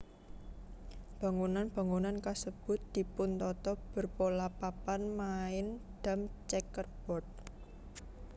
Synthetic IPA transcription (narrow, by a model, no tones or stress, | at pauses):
b̥ä̤ŋunanb̥a̤ŋunankasəb̥ʊ̤t̪̚d̪̥i̤pʊnt̪ɔt̪ɔb̥ə̤rpolapapanmaɪnd̪̥a̤mt͡ʃɛkərb̥ɔt̪̚